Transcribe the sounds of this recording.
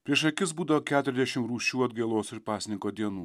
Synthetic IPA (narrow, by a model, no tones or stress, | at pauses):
pʲɾʲiɛʃɐkʲɪs̬buːd̪ɐʋoːkʲæːt̪ʊɾʲɛzd̪ʲɛʃʲɪmɾuːʃʲuːɐd̪ɡɐɪlˠoːsɪɾpɑːsʲnʲɪŋkoːd̪ʲiɛnuː